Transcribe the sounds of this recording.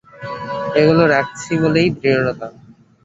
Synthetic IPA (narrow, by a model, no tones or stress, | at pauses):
eɡuloɾɛk̚t͡ɕʰibolejd̪ɾiɾoɾot̪a